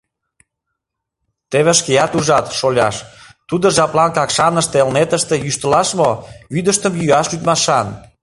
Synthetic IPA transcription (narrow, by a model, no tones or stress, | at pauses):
t̪eβeʃkeɑt̪uʒɑt̪ʃolʲɑ̰ʃt̪ud̪oʒɑplɑnkɑkʃɑnəʃt̪elnet̪əʃt̪ejyʃt̪əlɑʃmoyd̪əʃt̪əmjyɑʃlyt̪mɑʃɑn